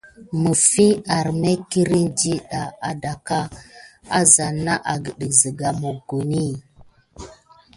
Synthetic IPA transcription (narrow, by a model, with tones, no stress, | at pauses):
mə˨fi˦a˨ɾme˦ki˦ɾi˦nd͡ʒi˦ɗa˨a˨da˨ka˦a˦za˨na˦ʔa˨ɡə˨ɗə˨zi˨ɡa˨mu˨ɡu˨ni˦˨